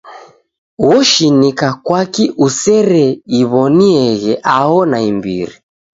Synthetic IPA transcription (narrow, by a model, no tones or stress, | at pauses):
wɔʃinikakwakiʔusɛɾɛiβɔniɛɣɛʔaɔnaimbḭɾi